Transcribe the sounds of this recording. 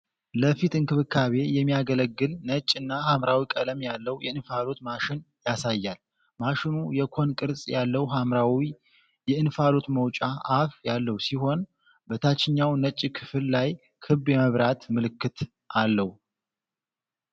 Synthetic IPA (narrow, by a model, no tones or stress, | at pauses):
ləfit̪ɨnkɨβɨkʰːaβe̞jɛmːijaɡələɡːɨlnət͡ʃʼːɨnːahamɾawikʼələmjalːəwjɛʔɨnfalo̞t̪maʃɪn | jasajːal | maʃɪnujɛkʰo̞nkʼɨɾsʼjalːəwɦamɾawi | jɛɨnfalo̞t̪məwt͡ʃʼaʔːfjalːəhwsiɦo̞n | bət̪ʰat͡ʃːɪɲːawnət͡ʃʼːkʰɨ̥fɨlːaj | kʰɨβjɛməβɾat̪mɨlɨkːɨt̪ | ʔalːəhu